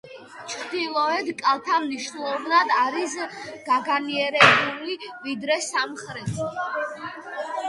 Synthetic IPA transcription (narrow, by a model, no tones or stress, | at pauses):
t͡ʃʰɾd̪ilˠɔɛd̪kʼalˠt̪ʰamniʃnulˠɔvnad̪aɾisɡ̥aɡaniɛɾɛbulivid̪ɾɛsamχɾɛt̪ʰ